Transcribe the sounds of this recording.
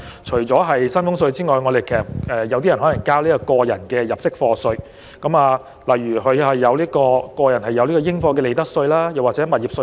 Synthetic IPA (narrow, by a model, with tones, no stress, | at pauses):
t͡ʃʰɵ˨˩t͡sɔː˨˥ɦɐ˨jsɐ˥nfʊ˥ŋsɵ˧ɥt͡siː˥ŋɔː˨˩jŋɔː˨˧d̪e˨jkʰɛː˨˩ɛː˨˧jɐ˧wt̪iː˥jɐ˨˩nɦɔ˨˥lɐ˨˩ŋkaː˥wliː˥kɔ˧kɔː˧jɐ˨˩nkɛː˧jɐ˨p̚sɪ˥k̚fɔː˧sɵ˧ɥ | kɐ˨˥maː˨˧ | lɐ˨˩jːyː˨˩ɦɵ˨˧hɐ˨jːɐ˨˧wliː˥kɔː˧kɔː˧jɐ˨˩nɦɐ˨jːɐ˨˧wli˥kɔː˧jɪ˥ŋfɔː˧kɛ˧le˨jt̪ɐ˥k̚sɵ˧ɥlaː˥jɐ˨˩waː˨t̚t͡sɛː˨˥mɐ˨t̚jiː˨p̚sɵ˧